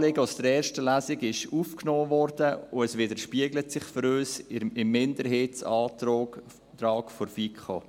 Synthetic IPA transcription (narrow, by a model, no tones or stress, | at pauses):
lɪɡəɔsd̥əɾɛːɾʃtəlæsɪɡɪʃuːfknoːvɔɾdəʊɛsʋɪdəɾʃpiəɡlətsɪχfɔɾøːsɪmːɪndəɾɦeːtsɑːtoː | tɾɑːkfɔɾfikχo̰